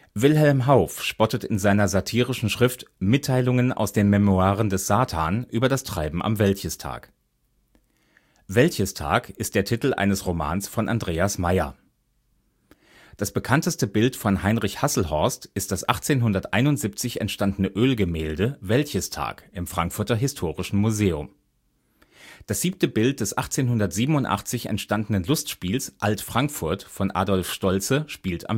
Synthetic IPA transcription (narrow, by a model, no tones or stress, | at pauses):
vɪlɦɛlmɦaʊfʃpɔtətɪnzaɪnɐzatʰiːʁ̞ɪʃn̩ʃʁ̥ɪftmɪtʰːaɪlʊŋəna̰ʊsd̥eːnmɛmoaːʁəndɛsz̥aːtʰaːnʔyːbɐdastʁ̥aɪbm̩ʔa̰mvɛltçəstʰa̰ːk | vɛltçəstʰa̰ːkɪstd̥eːɐtʰitl̩ʔa̰ɪnəsʁoma̰ːnsfɔnʔa̰ndʁeːasmaɪɐ̰ | d̥asb̥əkʰantəstəbɪltfɔnɦaɪnʁɪçhasl̩ɦɔɐstʔɪst̚d̥asʔaχt͡seːnɦʊndɐtʔa̰ɪnʊntz̥iːp̚t͡sɪçɛ̰ntʃtandənəʔøːlɡəmɛːldəvɛltçəstʰa̰ːkʔɪmfʁ̥aŋkfʊɐtɐɦɪstʰoːʁɪʃn̩muzeːʊm | d̥asz̥iːp̚ntəbɪlt̚d̥ɛsʔaχt͡seːnɦʊndɐtz̥iːbm̩ʊntʔa̰χt͡sɪçɛ̰ntʃtandn̩ənlʊstʃpiːlsʔaltfʁ̥aŋkfʊɐtfɔnʔa̰ːdɔlfʃtɔlt͡səʃpiːltʰa̰m